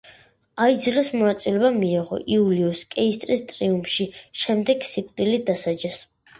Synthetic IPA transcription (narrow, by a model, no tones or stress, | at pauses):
aid̪zilɛsmɔnat̪sʼilɛbamiːʁɔ̰ʔiuliuskʼɛist̪ʼɾist̪ʼɾiumʃiʃɛmd̪ɛɡsikʰʼd̪̥ilid̪asad͡ʒɛs